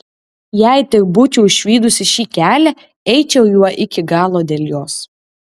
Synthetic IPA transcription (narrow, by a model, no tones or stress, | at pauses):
jæɪt̪ʲɪkbʊt͡ʃʲɛʊʃʲʋʲiːd̪ʊsʲɪʃʲiːkʲæːlʲɛ | ɛɪt͡ʃʲɛʊjuɔʔɪkʲɪɡɑːlˠoːd̪ʲeːlʲjoːs